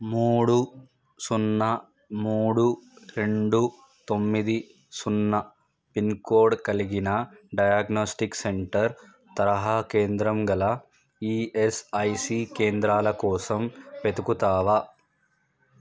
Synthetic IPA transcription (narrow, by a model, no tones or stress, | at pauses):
muːɽu | sunːɐ | muːɽuɾe̞ɳɖu | t̪o̞mːid̪i | sunːɐ | pinkoːɾɖkɐliɡinɐɖɐjaːɡnoːsʈikseɳʈɐɾ | t̪ɐɾɐɦɐkeːnd̪ɾɐmɡɐlɐ | iːesɐjsiːkeːnd̪ɾaːlɐkɔːsɐmpet̪ukut̪aːʋɐ